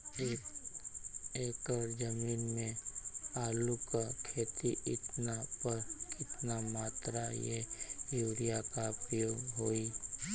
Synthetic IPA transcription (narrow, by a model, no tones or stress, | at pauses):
eː | eːkəɾd͡ʒəmiːnmẽaːlukakʰeːt̪iʔɪ̰t̪napɐɾkɪt̪namaːt̪ɾajejuːɾijakapɾəjoːɡɦoːi